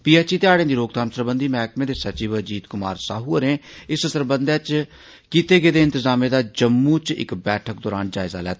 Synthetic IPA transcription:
piːɛːt͡ʃiːt̪ɪaːɽẽːd̪iːɾoːɡ̚t̪ãːmsəɾbə̃nd̪iːmɛːkmẽːd̪eːsət͡ʃiːʋəd͡ʒiːt̪kʊma̰ːɾsaːɦuːəɾẽːɪsəsəɾbənd̪eːt͡ʃ | kiːt̪eːɡeːd̪eːɪnt̪ɪzaːmẽːd̪aːd͡ʒəmːuːt͡ʃɪ̰kbɛːʈʰək̚d̪ɔːɾaːnd͡ʒaːɪza̰ːlɛːt̪ː

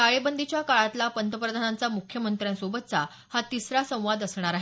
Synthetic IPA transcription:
aɭebənd̪ʱit͡ɕjakaɭat̪lapənt̪əpɾəd̪ʱanant͡samukʰjəmənt̪ɾjãnsobət̪̚t͡sa | hat̪isɾasə̃w̃ʋad̪əsɳ̃aɾaɦe

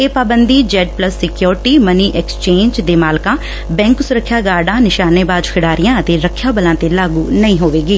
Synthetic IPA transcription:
eːpaːbənd̪iːd͡ʒɛːɖ̚pləsːɪkjoːɾʈiːməniːʔɛkst͡ʃẽːɲd͡ʒd̪eːmaːlkãː | bɛ̃ːŋksʊɾəkʰːjaːɡaːɖãːnɪʃaːneːbaːd͡ʒkʰɪɽaːɾɪjãːət̪eːɾəkʰːjaːbəlãːt̪eːlaːɡuːnəĩːɦoːʋeːɡiː

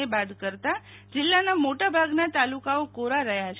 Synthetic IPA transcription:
ebad̪kəɾt̪a | d͡ʒɪlːanamoʈabʱaɡnat̪alukaokoɾaɾəɦjat͡ʃʰ

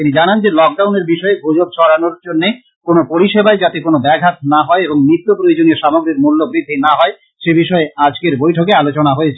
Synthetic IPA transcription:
t̪inid͡ʑanand͡ʑelɔk̚ɖawneɾbiʃɔebʱud͡ʑobʃɔɾanoɾd͡ʑonːe | konopoɾiʃebaed͡ʑat̪ekonobɛɡʱat̪̚naɦɔeeboŋmɾit̪ːopɾojod͡ʑonieʃamoɡɾikmulːobɾid̪ʱːinaɦɔe | ʃebiʃɔead͡ʑkeɾbojʈʰok̬ealot͡ɕonaɦoet͡ɕʰe

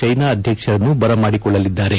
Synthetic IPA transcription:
t͡ʃɐjnaːɐd̪ʱjɐkʂɐɾɐnːubɐɾɐmaːɽikɔɭːɐlid̪ːaːɾe̞

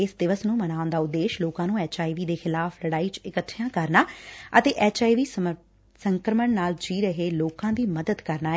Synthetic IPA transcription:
eːsd̪ɪʋəsnũːmənaːʊ̃nd̪aːʊd̪ːeːʃloːkãːnũːɛːt͡ʃaːiːʋiːd̪eːxɪlaːfʰləɽaːiːt͡ʃɪkət̪ʰːjãːkəɾnaːət̪eːʔɛːt͡ʃaːiʋiː | səŋkɾəməɳnaːld͡ʒiːɾəɦeːloːkãːd̪iːməd̪əd̪kəɾnaː

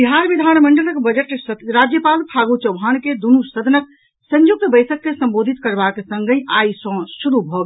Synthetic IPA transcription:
biɦaɾbid̪ʱanməɳɖələkbəd͡ʒəʈsɾad͡ʒjəpalpʰaɡut͡ʃəwbʱanked̪unusəd̪ʱənək̚ | sə̃ɲjuk̚t̪bəjsəkːesə̃mbod̪ʱit̪kəɾbakesəŋɡəjʔajsə̃suɾubʱɔɡ

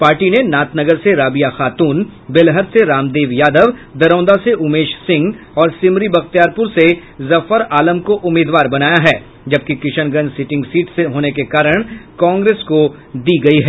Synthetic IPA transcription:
paːɾʈinenaːt̪nɐɡəɾseɾaːbijaxaːt̪uːnbɪlɦəɾseɾaːmd̪eːʋjaːd̪əʋd̪ɐɾɔ̃ːnd̪aseʔʊmeːʃsɪ̃ŋɡ | ɔːɾsɪmɾibɐxt̪ijaːɾpʊɾsezɐfəɾaːləmkoʔʊmːiːd̪ʋaːɾbɐnaːjaɦɛː | d͡ʒɐb̚kikɪʃəñɡə̃nd͡ʒsɪʈɪ̃ŋɡsiːʈseɦoːnekekaːɾəɽ̃kɔ̃ːŋɡɾeːsko | d̪iːɡɐiɦɛː

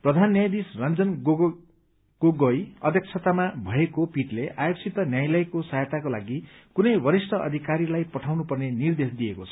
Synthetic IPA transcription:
prʌd̪ʱanːjajd̪isrʌnd͡zʌnɡ | ɡ̥oɡojʌd̪ʱjʌk̚t͡sʰʌt̪amabʱʌekopiʈleʔajokt͡sʰit̪ʌnjajlʌjkosajt̪akola̰ɡikunʌjwʌɾisʈʰʌʔʌ̰d̪ʱikaɾilajpʌʈʰawnupʌrnenird̪esd̪ijekot͡sʰʌ̥

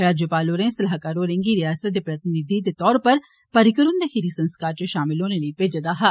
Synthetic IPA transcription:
ɽaːd͡ʒopaːloːɾẽːsɐlaːɦkaːɾoːɾẽŋɡiːɾɪjaːsət̪̚d̪eːpɾət̪ɪnɪd̪id̪eːt̪ɔːɾpəɾ | pəɾɪkəɾʊnd̪ekiɾisə̃nskaːɾt͡ʃeʃaːmɪlõːneləipeːd͡ʒəd̪aːɦɛ

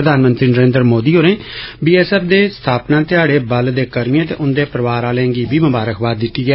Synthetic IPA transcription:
ɾəd̪aːnmə̃nt̪ɾiːnəɾẽːnd̪ɾmoːd̪iːɦoːɾẽːbiːɛːsɛːfd̪eːst̪ʰaːpnãːt̪ɪaːɽeːbəld̪eːkəɾmijãːt̪ḛːʔʊnd̪eːpəɾəʋaːɾaːlɛ̃ːŋɡiːbiːməbaːɾəkʰbaːd̪ɪt̪ːiːɡɛː

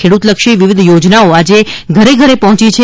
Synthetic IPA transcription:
eɽut̪ləkʃiʋiʋid̪ʱjod͡ʒnaoad͡ʒe | ɡʱəɾeɡʱəɾepəɦɔ̃t͡ʃit͡ʃʰe

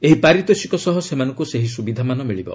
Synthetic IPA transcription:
eɦipaɾit̪ɔsikɔsɔɦɔsemanɔ̃ŋkuseɦisubid̪ʱamanɔmiɭibɔ̰

